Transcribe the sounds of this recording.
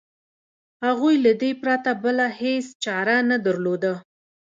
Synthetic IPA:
haɣujlad̪epɾat̪abəlahest͡ʃɑɾanad̪əɾlod̪ə

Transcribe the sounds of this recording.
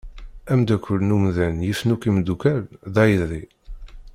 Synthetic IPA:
æmd̪ækʷːʊlnumðænjifnukimd̪ukælðæjəðɾi

